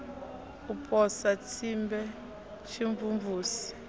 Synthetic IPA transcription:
upʰʼɔsat͡sʰimbɛ | ʃiɱvuɱvuːsi̥

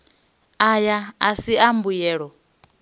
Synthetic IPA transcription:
ajaasiambujɛːɺɔ

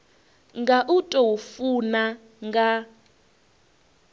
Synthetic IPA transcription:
ŋɡaʔutʼɔwufuna | ŋɡa

